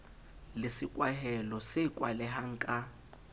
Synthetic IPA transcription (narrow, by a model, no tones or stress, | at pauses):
lɪsikʼwaɦɛlɔsekʼwa̰lɛɦaŋ̩kʼa